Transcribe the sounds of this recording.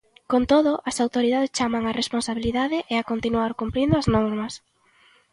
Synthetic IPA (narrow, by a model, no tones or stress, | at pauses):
kont̪oðʊʔɐsawt̪oɾiðaðest͡ʃamaŋaresponsaβiliðaðɪʔeakont̪inuaɾkumpɾind̪oɐznɔɾmɐs